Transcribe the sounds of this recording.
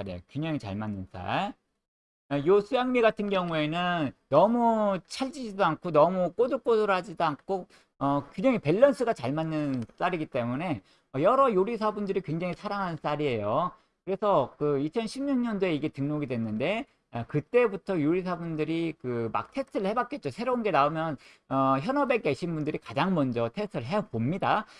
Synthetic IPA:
ɾiḛokuɲaŋit͡ɕa̰ɭmanːɯns͈a̰ɭ | josʰujaŋmiɡatʰɯnɡjʌŋue̞nɯnːʌmut͡ɕʰaɭd͡ʑid͡ʑidoaŋkʰonʌmuk͈odɯk͈odɯɾhad͡ʑidoaŋkʰo | ʌkweŋɲaŋipe̞ɭːʌnsʰɯɡat͡ɕaɭmanːɯns͈aɾiɡit͈e̞mune̞ | ʌjʌɾʌjoɾis̬ʰabundɯɾikwe̞ŋd͡ʑaŋisʰaɾaŋɦanns͈aɾie̞jo | kɯɾe̞sʰʌkɯit͡ɕʰʌnɕʰimɲuŋɲʌndoe̞iɡe̞tɯŋnoɡidwe̞nːɯnde̞ | kɯt͈e̞butʰʌjoɾis̬ʰabundɯɾikɯma̰k̚tʰe̞stʰɯɾɭhe̞bak͈e̞t̚t͡ɕ͈osʰe̞ɾounɡe̞naomjʌn | ʌçjʌnʌbe̞k͈e̞ɕʰinbundɯɾikad͡ʑaŋmʌnd͡ʑʌtʰe̞stʰɯɾɭɦepomɲida

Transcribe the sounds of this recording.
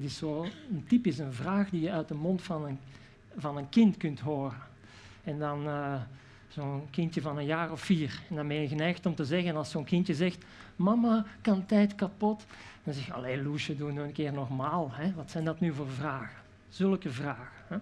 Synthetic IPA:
ətɪsːoːəntipɪsənvraːxdijəœɥt̚dəmɔntfɑnən | vɑnənkɪntkɵntɦoːrən | ɛndɑnə | z̥oːnkɪntjəvɑnənjaːrɔfːiːrɛndɑnmeːjəɣənɛjxtɔmtəzɛɣənɑlˠsoːnkɪntjəzɛxt | mɑmakɑntɛjtkɑpɔtd̥ɑnzɛxɑ̰leːluʃədunyənkɪːrnɔrmaːlˠɦɛʋɑtsɛjndɑtnyvoːrvraːɣə | z̥ɵlˠkəvraːɣəɛ

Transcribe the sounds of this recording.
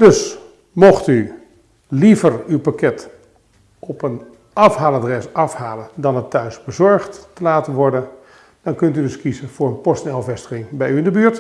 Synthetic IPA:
dɵs | mɔχty | livərywpakɛt | ɔpən | ʔɑfɦaːləaːdrɛsɑfɦaːləndɑnətːœɥsbəzɔɹχtːəlaːtənʋɔɹdən | d̥ɑnkɵntydɵskizənv̥ʊːɹənpɔstnɛlˠvɛstəχɪŋbɛjyɪndəbyːɹt

